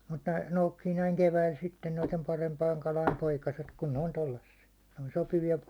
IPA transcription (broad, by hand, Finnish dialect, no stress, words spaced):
mut ne noukːiː næiŋ keʋæil sitːen noitem pɑrempɑiŋ kɑlɑim poikɑset kun ne on tolːɑsːiɑ ne on sopiʋiɑ